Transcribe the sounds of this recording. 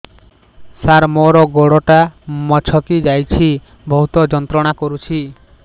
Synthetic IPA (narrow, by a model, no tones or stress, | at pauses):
saɾmɔɾɔɡoɽɔʈamɔt͡ʃʰɔkid͡ʒajt͡ʃʰi | bɔɦut̪ɔd͡ʒɔnt̪ɾɔɽ̃akoɾut͡ʃʰi